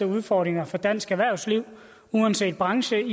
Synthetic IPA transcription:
əuð̞ˠfɒːd̥ʁeŋɐfɒ̽d̥æn̰sɡ̥æʋæɐ̰ʊsliʊ̰ | uænse̝̰ːd̥̚b̥ʁɑ̈ŋɕəi

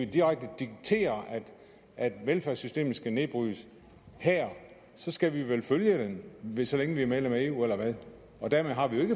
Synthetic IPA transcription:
id̥iʁaɡ̥̚d̥əd̥iɡ̥̚t͡sʰe̝̰ːɐʔæd̥ | ʔæd̥ʋelfæɐsysd̥e̝̰ːmn̩sɡ̥æne̝b̥ʁy̰s | hæɐ̰ | sɒ̽sɡ̥æʋiʋelføljəd̥enʋesɒ̽leŋəʋiæɐmeðlemæe̝ːṵːelɐʋæð̞ˠ | ɒ̽d̥æɐmeðˠɦɑ̈ʋijoe̝ɡ̥ə

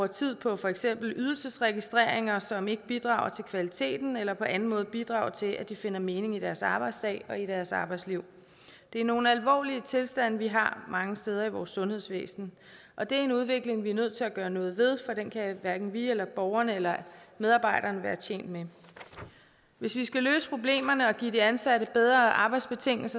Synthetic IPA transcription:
uɐt͡sʰið̞̰ˠpʰɒ̽fɒ̽eɡ̥sem̰b̥l̩ʔyð̞ˠl̩səsʁɛɡ̥isd̥ʁeɐ̰eŋɐsɒ̽me̝ɡ̥əb̥id̥ʁɑ̰̈ːʊɐt͡sʰe̝lkʰʋælit͡sʰe̝̰ːd̥n̩elɐpʰɒ̽ʔænn̩mɔ̽ːð̞̩ˠb̥id̥ʁɑ̰̈ʊɐt͡sʰe̝lʔæd̥ife̝n̰ɐme̝ːne̝ŋid̥æɐsɑ̈ːb̥ɑ̈ɪd̥sd̥ɛ̰ːɪɒ̽iɾ̥æɐsɑ̈ːb̥ɑ̈ɪd̥sliʊ̰ | d̥e̝æɐno̝ːn̩ælʋɒ̰ːliət͡sʰe̝lsd̥æn̰ʋiɦɑ̈mɑ̈ŋəsd̥eːð̞ˠɐiʋɒːsːɔ̽nhe̝ðˠsʋḛːsn̩ | ʔɒ̽d̥e̝æɐe̝nuð̞ˠʋe̝ɡ̥le̝ŋʋiæɐnøð̞̰ˠt͡sʰe̝læɡ̥ɶːɐnɔ̽ːð̞̩ˠʋe̝ð̞ˠfɒ̽ɾ̥enkʰæʋæɐɡ̥n̩ʋielɐb̥ɒʊɐnəelɐmeð̞ˠɑ̈ːb̥ɑ̈ɪ̰ɾ̥ɐːnəʋæːɐt͡ɕʰjḛːn̰d̥me | ʋe̝sʋisɡ̥æløːsə̥pʰʁo̝b̥le̝̰ːmɐnəɒ̽ɡ̥ḭːd̥iænsæɾəb̥eð̞ˠʁɐʔɑ̈ːb̥ɑ̈ɪd̥sb̥e̝t͡sʰe̝ŋ̰l̩sɐ

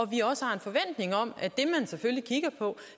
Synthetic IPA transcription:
ɒ̽ʋiɒ̽səhɑ̈e̝nfɒ̽ʋen̰d̥ne̝ŋɒ̽m̰æd̥e̝mænseføllikʰiɡ̥ɐpʰɒ̽

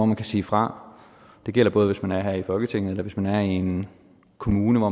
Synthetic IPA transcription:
ɒmænkʰæsḭːfʁɑ̈ | d̥e̝ɡ̥el̰ɐb̥ɔ̽ːð̞̩ˠʋe̝smænæɐɦæɐifɒ̽lɡ̥ət͡sʰe̝ŋ̰ð̩ˠelɐʋe̝smænæɐien | kʰo̝muːnəʋɒ

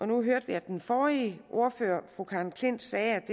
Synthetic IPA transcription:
ɒ̽nuɦøɐ̰d̥ʋiæd̥enfɒːiʔo̝ɐføːɐ̰fʁukʰɑ̈ːnkʰle̝n̰d̥sɛːæd̥e

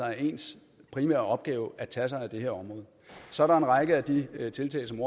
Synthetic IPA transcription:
ɑ̈ɪe̝ːns | pʰʁimæ̰ːɐ̰ɒ̽b̥̚ɡ̥ɛːʊʔæt͡sʰæs̬ɑ̈ɪæd̥e̝heɐ̰ɒ̽mʁɔ̽ːð̞̩ˠsɒ̽ɐɾɑ̈e̝nʁɑ̈ɡ̥əæd̥it͡sʰe̝lt͡sʰɛ̰ːlsɒ̽mo̝

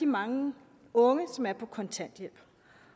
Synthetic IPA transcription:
imɑ̈ŋə | ɔ̽ŋəsɒ̽mæɐpʰɒ̽kʰɒ̽nt͡sʰæn̰d̥jel̰b̥

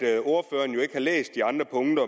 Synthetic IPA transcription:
o̝ɐfø̰ːɐn̩jo̝e̝ɡ̥hɑ̈lḛːsd̥iɑ̈nd̥ʁɐpʰɔ̽ŋd̥ɐ

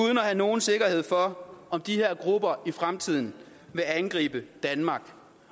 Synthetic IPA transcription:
uð̞ˠən̩ɒɦæno̝ːn̩se̝ɡ̥ɐhe̝ð̞̰ˠfɒ̽ɒ̽md̥ihe̝ɐ̰ɡ̥ʁub̥ɐʔifʁamt͡sʰið̰ˠn̩ | ʋe̝ænɡ̥ʁḭːb̥əd̥ænmɑ̈ːɡ̥

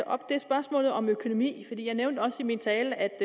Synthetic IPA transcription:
əʔɒ̽b̥̚d̥e̝sb̥ɶɐsmɔ̰ːlð̞̩ˠɒ̽møkʰo̝no̝mḭːfɒ̽d̥ḭːjɑ̈ɪneʊnd̥əɒ̽səimint͡sʰɛːləæd̥

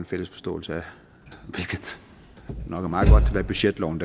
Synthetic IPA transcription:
enfel̰əsfɒ̽sd̥ɔ̰̽ːl̩səæ | ʋe̝lɡ̥ð̩ˠ | nɒ̽ɡ̥əmɑ̈ːð̩ˠɡ̥ɒ̽d̥̚t͡sʰe̝ʋæɐb̥yɕed̥lɒʊn̩d̥

